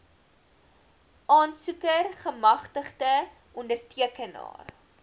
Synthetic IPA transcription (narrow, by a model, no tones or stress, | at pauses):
ʔɑːnsukərχəmɐχtəχdə | ʔɔndərtiəkənɑ̰ːr